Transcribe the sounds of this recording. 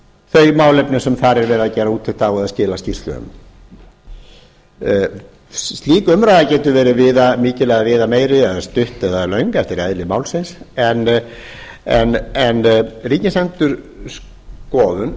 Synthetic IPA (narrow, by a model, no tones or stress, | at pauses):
θœɥjmaːwlɛpnɪsɛmθaɾɛɾvɛːɾɪðacɛːɾauːt̪ʰɪt̪awɛðascɪːlascir̥t̪lʏ̰ʏ̰m | st̪liːkʏmɾajðacɛːt̪ʏvɛːɾɪvɪːðamɪːcɪlɛːɣavɪːðameːjɾɪɛðast̪ʏht̪ɛðalœɥŋkɛft̪ɪɾɛðlɪmaːwlsɪnsɛn | ɛnɛnriːcɪsɛnt̪ʏɾ̥ | s | kɔːðʏn